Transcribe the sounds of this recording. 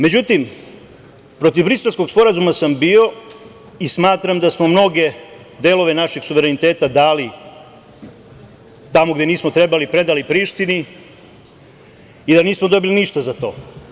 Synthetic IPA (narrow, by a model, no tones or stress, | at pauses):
me̞d͡ʑut̪im | pɾo̞t̪ivbɾise̞lˠsko̞ɡspo̞ɾazumasambio̞ | ismaːt̪ɾamd̪asmo̞mno̞ɡe̞ | d̪e̞lo̞ʋe̞naʃeɡsuʋeɾe̞nit̪eːt̪ad̪aːli | t̪amoɡd̪eniːsmo̞t̪ɾe̞balipɾe̞d̪alipɾiːʃt̪ini | id̪aniːsmod̪o̞biliniʃt̪azat̪o̞ː